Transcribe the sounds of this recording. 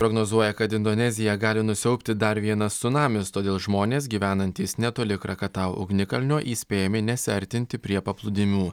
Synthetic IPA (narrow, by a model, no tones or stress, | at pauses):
pɾoɡnoːzuɔjɛkɐt̪ɪnd̪oːnʲɛzʲɪjɛɡɑːlʲɪnʊsʲɛʊpʲt̪ʲɪd̪ɐɾʋʲiɛnɐsːʊnɑːmʲɪst̪oːd̪ʲeːlˠʒmoːnʲeːs̬ɡʲiːʋʲæːnɐnʲt̪ʲiːsnʲɛt̪oːlʲɪkɾɐkɐt̪ɑʊʊ̰ɡnʲɪkɐlʲnʲoːʔiːsʲpʲeːjɛmʲɪnʲɛsʲɪɐɾʲt̪ʲɪnʲt̪ʲɪpʲɾʲiɛpɐplˠʊd̪ʲɪmʲuː